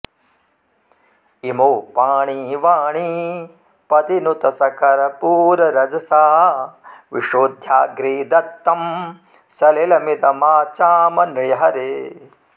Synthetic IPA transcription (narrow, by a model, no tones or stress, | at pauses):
imoːpaːɳiʋaːɳi | pɐd̪inut̪ɐsɐkɐɾɐpuːɾɐɾɐd͡ʒɐsaː | ʋḭʂoːd̪ʱjaːɡɾiːd̪ɐt̪ːɐm | sɐlelɐmid̪ɐmaːt͡ʃaːmɐnɾjɐɦɐɾe